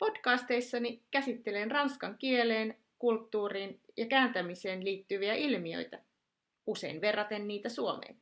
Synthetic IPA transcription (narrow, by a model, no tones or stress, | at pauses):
po̞d̥kɑːst̪ejsːɑnikæsit̪ːe̞lenrɑnskɑŋkie̞le̞ːn | kult̪ːuːriːnjɑkæːnt̪æmise̞ːnliːt̪ːyʋiæʔilmiø̞̰jt̪æ | ʔuse̞̰inʋe̞rːɑt̪e̞nːiːt̪æsuomḛːn